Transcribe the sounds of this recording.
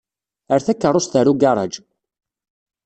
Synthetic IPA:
əɾθækːərˤːost̪əɾuɡɑɾˤɑ̰d͡ʒ

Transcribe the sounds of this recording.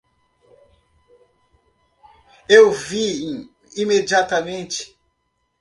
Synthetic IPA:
ewvĩ | imed͡ʒiat̪ɐmẽnt͡ʃɪ̥

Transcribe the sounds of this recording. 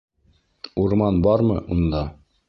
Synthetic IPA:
uɾmɑnbɑɾmɤ̰ʔund̪ɑ

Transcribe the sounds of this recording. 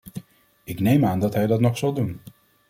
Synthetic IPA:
ɪknejmaːndɑtɦɛjdɑtnɔχsɑlˠdun

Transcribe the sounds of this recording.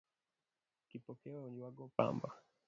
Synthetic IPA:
kipɔkɛɔuɲiwaɡɔpa̰mba

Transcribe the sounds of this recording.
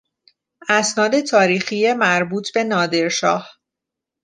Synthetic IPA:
ʔæsnɒːd̪e̞t̪ʰɒːɾiːxijemæɾbuːt̪ʰbe̞nɒːd̪e̞ɾʃɒːh

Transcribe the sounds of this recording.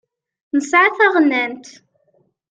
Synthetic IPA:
nəsʕaθæʁnːænt̪

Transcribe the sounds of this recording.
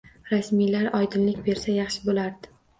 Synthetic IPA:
ɾasmijlaɾɒjd̪ɪnlɪkʲbe̞ɾsajɑχʃɪbolaɾd̪̥ɪ

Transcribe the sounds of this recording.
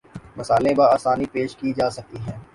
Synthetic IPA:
mɐsaːlẽbaaːsaːnipeːʃkid͡ʒaːsɐk̚t̪iɦɛ̃ː

